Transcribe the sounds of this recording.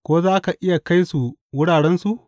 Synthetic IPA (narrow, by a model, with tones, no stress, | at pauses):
kʷoː˦zaː˦ka˨ʔɪ˦ja˨ka˦jsu˨wʊ˦ɽaː˨ɽɛ˦nsu˨ʔ